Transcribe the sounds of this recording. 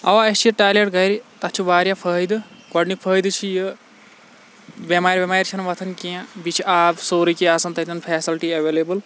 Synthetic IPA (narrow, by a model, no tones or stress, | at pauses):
ɐ̰ʋaɐt͡ʃʰiʈaːleʈɡɐɾit̪ɐt͡ʃʰiʋaːɾjapʰəɦjd̪ɨɡɔɖnipʰəːjd̪ɨt͡ʃʰijɨ | bʲemaːɾbemaːjɾʲt͡ʃʰinʋɐt̪ʰɐnkʲiãbit͡ʃʰiaːbsoːɾikiaːsɐnt̪ɐt̪ɐnpʰɛːsilʈiɐʋeːleːbɨl